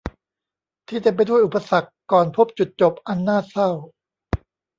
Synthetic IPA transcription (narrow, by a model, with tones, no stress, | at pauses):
t̪ʰiː˥˩t͡ɕe˧mpa˧jdu˥˩jʔu˨˩pːa˧sa˨˩kːɔː˨˩npʰo˦˥p̚t͡ɕu˨˩t̪̚t͡ɕo˨˩p̚ʔa˧nːaː˥˩t̪̚sa˥˩w